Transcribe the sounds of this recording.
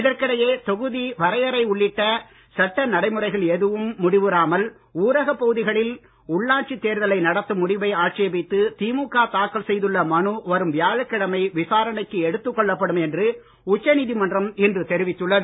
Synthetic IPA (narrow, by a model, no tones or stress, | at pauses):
ɪðɐɾkɪɽɐjeːt̪ɔɣɯðiʋɐɾɐjɐɾɐɪʊɭːɪʈːɐ | sɐʈːɐnɐɽɐɪmɯrɐɪɣɐɭɛðɯʋɯmːʊɽɪʋɯɾaːmɐl | uːɾɐɣɐpːɐɣɯðɪɣɐɭɪl | ʊɭːaːʈ̚t͡ʃit̪ːeːɾðɐlɐɪnɐɽɐt̪ːɯmʊɽɪʋɐɪaːʈ̚t͡ʃebɪt̪ːɯt̪iːmuːkːaːt̪aːkːɐɭsɛjðɯɭːɐmɐnɯʋɐɾɯmʋɪjaːɻɐkːɪɽɐmɐɪʋɪsaːɾɐɳɐɪkːɯɛɽɯt̪ːɯkːɔɭːɐpːɐɽɯmɛndrɯ | ʊt͡ʃːɐniːðimɐndrɐmɪndrɯt̪ɛɾɪʋɪt̪ːɯɭːɐðɯ